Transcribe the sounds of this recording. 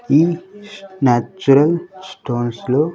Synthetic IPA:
iː | naːt͡ʃuɾɐlsʈoːnsloː

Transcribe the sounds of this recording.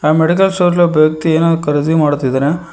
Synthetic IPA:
ameɽik̬ɐlsoːɾlɐpɐjɐk̚t̪ieːnaːd̪ɾukɐɾid̪imaːɽut̪ːid̪aːne

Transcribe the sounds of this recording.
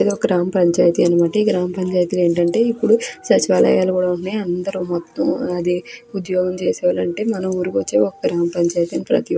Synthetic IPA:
d̪eɔkɐɡɾaːmɐpɐɲt͡ʃaːjt̪iɐnimaːʈɐiːɡɾaːmɐpɐɲt͡ʃaːjt̪ile̞ːɳʈɐɳʈe̞ːipːuɽusɐt͡ʃiʋaːlɐ̰jaːlɐkuːɽauɳneːɐnd̪ɐɾumɔt̪ːɐmɐd̪eːud̪jɔːɡɐmt͡ʃe̞ːsɛːʋaːlɐɳʈe̞ːmɐnɐmuːɾukʋɐt͡ʃːeːɔkːɐɐɡɾaːmɐpɐɲt͡ʃaːjt̪iɐnipɾɐ̰t̪i

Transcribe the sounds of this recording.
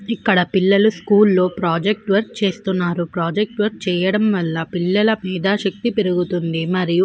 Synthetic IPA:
ikːɐɽɐpilːɐluskuːlːo̞ːpɾaːd͡ʒek̚ʈʋɐɾk̚t͡ʃe̞ːst̪unːaːɾupɾaːd͡ʒek̚ʈʋɐɾk̚t͡ʃɛːjɐɽɐmʋɐlːɐpilːɐlɐmiːd̪ɐʃɐk̚t̪ipeɾuɡut̪und̪imɐɾiju

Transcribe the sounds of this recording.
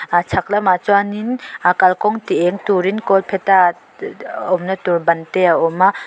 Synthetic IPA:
at͡ʃʰak̚lamat͡ʃwaninakalkɔŋtieŋtuɾinkɔlpʰeta | ɔmnɐtuɾbɐnteaɔma

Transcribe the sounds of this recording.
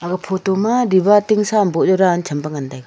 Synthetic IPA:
aɡapʰotɔmaɾibatiŋsambɔd͡ʒɔɾant͡ʃʰɐmbaŋandajɡ

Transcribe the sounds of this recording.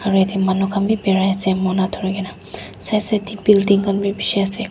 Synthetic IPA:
aɹuetimanukʰambibɛɹajasɛmɔnatʰɔɹiɡɛna | sajsɛtibildiŋkɔnbibiʃiasɛ

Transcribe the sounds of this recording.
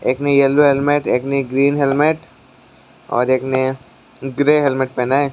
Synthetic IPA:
eːknejɛlːoɦɛlmeʈeːkneɡɾiːnɦelmeʈ | ɔ̰ːɾeːkne | ɡɾeːɦɛlmeʈ̚pɛnae

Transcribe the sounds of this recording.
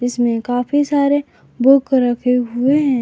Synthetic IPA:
ɪsmẽkaːfisaːɾe | bʊkɾɐkʰeɦʊeɦɛ̃ː

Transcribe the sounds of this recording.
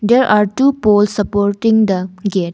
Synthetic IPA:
deɾʔaɾʈupolsːɐpoɾʈĩŋd̪ɐɡeʈ̚

